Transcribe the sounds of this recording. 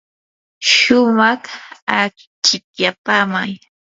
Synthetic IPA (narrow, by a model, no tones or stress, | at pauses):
ʃʊmɑχak | t͡ʃɪkjapaːma̰j